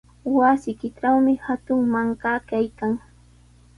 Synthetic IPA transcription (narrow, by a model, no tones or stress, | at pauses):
wasɪkɪʈ͡ʂawmɪhat̪ʊŋmaɴkakajkaŋ